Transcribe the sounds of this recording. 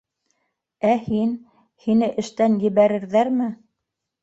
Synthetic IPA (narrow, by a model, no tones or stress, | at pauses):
æhin | hinɘʔɘ̆ʃt̪ænjɘ̆βæɾɘ̆ɾðæɾmɘ